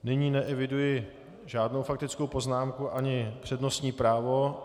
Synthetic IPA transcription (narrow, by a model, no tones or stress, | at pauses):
nɪɲiːnɛʔɛvɪdujɪ | ʒaːdno̞wfak̚t̪ɪt͡sko̞wpo̞znaːmkuʔaɲɪpr̝̥ɛdno̞st̪ɲiːpɾaːvo̞